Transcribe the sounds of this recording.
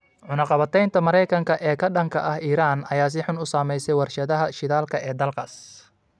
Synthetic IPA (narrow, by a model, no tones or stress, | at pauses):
ʕʊnɐqɑβɐt̪ʰɛjnt̪ʰɐmɐɾɛjkʰɐŋkʰɐʔɛːkʰɐɖɐŋkʰɐʔɐhiːɾaːnɐjaːs̬ɪħʊnʊsaːmɛjsɛjwɐrʃɐðɐɦɐʃɪðaːlkʰɐʔɛːd̪ɐlkʰɐs